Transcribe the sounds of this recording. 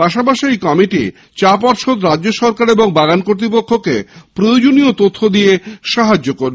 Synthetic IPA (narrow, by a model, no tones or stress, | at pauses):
paʃapaʃijkɔmiʈḭ | t͡ɕapɔɾʃod̪ɾad͡ʑːoʃɔɾkaɾeboŋbaɡankoɾt̪ɾipokʰːokḛpɾojod͡ʑoniot̪ot̪ʰːod̪ieʃaɦad͡ʑːokoɾe